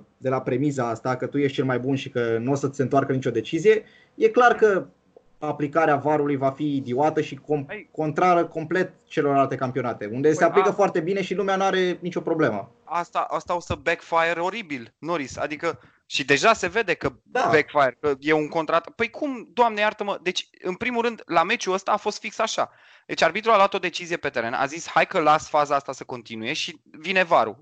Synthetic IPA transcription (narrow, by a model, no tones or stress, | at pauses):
d̪e̞lapɾe̞mizaast̪akət̪ujeʃt̪t͡ʃelmajbunʃikənuosəsent̪oarkənit͡ʃo̞d̪e̞t͡ʃizije̞ | je̞klarkə | aplikaɾeavaɾulujvafid̪iwat̪əʃikomko̞nt̪ɾaɾəko̞mple̞t̪̚t͡ʃe̞lo̞rlalt̪e̞kampionat̪e̞und̪e̞seapikəfoart̪e̞bine̞ʃilumeanuaɾe̞nit͡ʃo̞pɾo̞ble̞mə̰ | ast̪aʔast̪aosəbekfajeɾo̞ɾibilno̞ɾisa̰d̪ikə | ʃid̪e̞ʒase̞ve̞d̪e̞kə | d̪abekfajerkəje̞uŋko̞nt̪ɾat̪pəjkʰumd̪oamnejart̪əməd̪e̞t͡ʃʲ | ɨnpɾimuɾɨnd̪lame̞t͡ʃuəst̪aːfo̞st̪fiksaʃa̰ | d̪̥e̞t͡ʃʲarbit̪ɾualoat̪o̞d̪e̞t͡ʃizijepet̪e̞ɾe̞nʔa̰zishajkəlasfazaast̪asəko̞nt̪inuje̞ʃivine̞vaɾṵ